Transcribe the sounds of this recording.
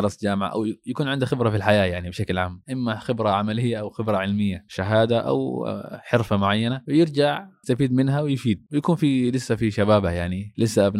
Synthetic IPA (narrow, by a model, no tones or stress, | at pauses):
ɑɾˤɑsˤd͡ʒaːmɪʕa̰ʔa̰wjakuːnʕɪnd̪axɪbɾˤɑfilħajaːjaʕnibɪʃaklʕaːmʔɪmːaxɪbɾˤaʕamalɪjːaʔawxɪbɾˤɑʕɪlmɪjːaʃaɦaːd̪aʔa̰wħɪɾfamʊʕajːanawjɪɾd͡ʒaʕɪst̪afiːd̪mɪnɦawɪjfiːd̪̚wɪjakuːnfilɪsːafiʃabaːbajaʕnilɪsːaʔabn